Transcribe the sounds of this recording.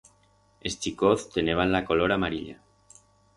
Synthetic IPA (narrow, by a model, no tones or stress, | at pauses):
est͡ʃikoθt̪eneβ̞anlako̞loɾamaɾiʎa̰